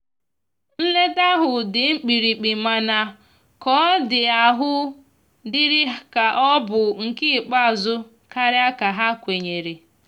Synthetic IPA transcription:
n̩˦le˦da˦ɦʊ˨dɪ˨ŋ͡m̩˦k͡pi˨ɾi˨k͡pi˨ma˨na˨ | kɔ˨˦dɪ˨a˨ɦʊ˦ | dɪ˦ɾɪ˦ka˨ʔɔ˦bʊ˨ŋ̩˨kɪ˦˨k͡pa˦˨zʊ˦ | ka˦ɾɪ˦a˦ka˨ɦa˦kʷe˨ɲe˨ɾe˨

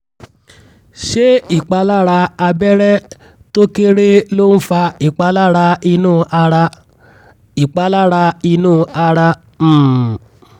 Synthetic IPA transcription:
ʃe˦i˦˨k͡pa˧la˦ɾa˧a˧bɛ˦ɾɛ˦ | to˦ke˦ɾe˦lo˦n̩˦fa˧i˨k͡pa˧la˦ɾa˧i˧nũː˦˧ʔa˧ɾa˧ | i˨k͡pa˧˦la˦ɾa˧i˧nũː˦˨˧a˧ɾa˧˨

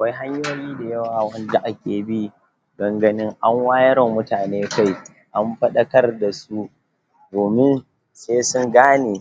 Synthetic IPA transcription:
ʔa˨kʷa˦jɦa˦ɲjoː˦jiː˦da˨jɐ˦waː˨wɐ˦nda˦ʔa˦kʲeː˨bi˦ | ɡɐ˨ŋɡɐ˨nɪ˦ŋʔa˦ŋwaː˦jɐ˦ɾɔ˨mːʊ˦taː˨neː˦ka˦˨j | ʔa˦mɸɐ˦ɗɐ˦kɐ˦rda˨su˦ | doː˨mɪ˦n | seː˦sʊ˦ŋɡaː˦neː˨

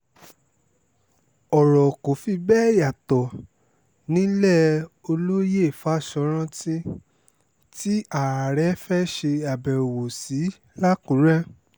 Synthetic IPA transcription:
ɔ˨ɾɔ˨ko˨fi˧bɛː˦˨ja˨tɔ˨ | nĩ˦lɛ˦˨o˧lo˦je˦˨fa˨˦˨ʃɔ˧˦ɾ̃ã˦tĩ˦ | ti˦a˨ɾa˨ɾɛ˨˦fɛ˦ʃe˧a˨bɛ˨ɾo˨wo˨si˨˦ | la˦kũ˨˦ɾɛ̃˦

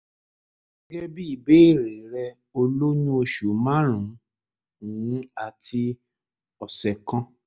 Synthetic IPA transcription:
ɡɛ˦bi˦i˦˨be˦˨ɾe˨˦ɾɛ˧ | o˧lo˦ɲũ˦o˧ʃu˨˦mã˦ɾ̃ũ˨˦ | ũ˨ũ˦a˨ti˧ | ɔ˨sɛ˨kɔ̃˦

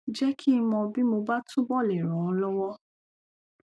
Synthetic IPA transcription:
d͡ʒɛ˦kʰi˦˧mɔ̃˧bi˦mo˧ba˦tũ˦bɔ˦˨lɛ˨ɾ̃ɔ̃˨ɔ˨˧lɔ˦wɔ˦

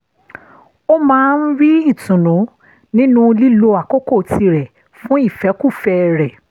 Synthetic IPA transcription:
o˦mãː˦˧n̩˦ɾi˦i˦˨tũ˨nũ˨˦ | nĩ˦nũ˦li˦lo˧a˨ko˦ko˦˨ti˧ɾɛ˨ | fũ˦i˦˨fɛ˨˦ku˦˨fɛ˧ɾɛ˨

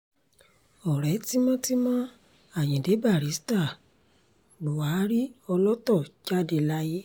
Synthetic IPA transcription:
ɔ˨ɾɛ˨˦ti˦mã˦ti˦mã˦ | a˦˨jĩ˨de˨˦ba˦˨ɾi˨˦sta˦˨ | lu˨wa˨˦ɾi˦ɔ˧lɔ˦tɔ˦˨d͡ʒa˦de˧˨la˧ji˦

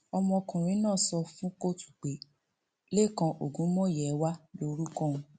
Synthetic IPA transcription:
ɔ˧mɔ̃˧kũ˨ɾ̃ĩ˨˦nãː˦˨sɔ˧fũ˦ko˦˨tu̥˨k͡pe˨˦ | le˦˨kã˧ʔo˨ɡũ˨˦mɔ̃˦jɛ˨˦wa˦lo˧˦ɾu˦kɔ̃˦ũ˧

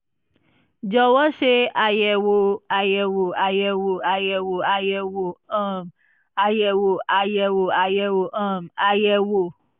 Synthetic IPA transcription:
d͡ʒɔ˧wɔ˦ʃe˦a˧jɛ˧wo˧˨a˧jɛ˧wo˨a˧jɛ˧wo˨a˧jɛ˧wo˨a˧jɛ˧wo˨ã˦˨m | a˧jɛ˧wo˨ʔa˧jɛ˧wo˨a˧jɛ˧wo˨ʔã˦˨ma˧jɛ˧wo˨

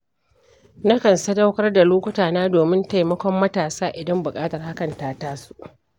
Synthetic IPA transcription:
nɐ˦kɐ˨nsɐ˦da˦wkɐ˦rda˨loː˦kʷʊ˦taː˨naː˦doː˨mɪ˦nta˦jmɐ˦kʷɔ˦mːɐ˦taː˨saː˦ʔɪ˨dɐ˦mbʊ˨kʼaː˦tɐ˨rha˦kɐ˨ntaː˦taː˦su̥˦ʔ

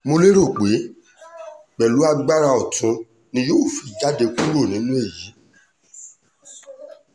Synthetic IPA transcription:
mo˧le˦ɾo˦˨k͡pe˨˦ | k͡pɛ˨lu˨˦a˧ɡ͡ba˦ɾa˧ɔ˨tũ˨˧ | nĩ˧˦joː˦˨fi˨d͡ʒa˨˦de˧ku˦ɾo˦˨nĩ˨˦nũ˦e˦˨ji˨˦

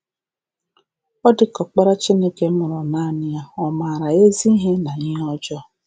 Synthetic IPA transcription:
ɔ˦dɪ˨kɔ˨k͡pa˦ɾa˦t͡ʃi˦ne˦ke˦mʊ˨ɾɔ˨na˦nɪ˦ja˦ɔ˨maː˨ɾa˨e˦zi˦ɦe˦na˨ɲɪ˦ɔ˦d͡ʒɔ˦

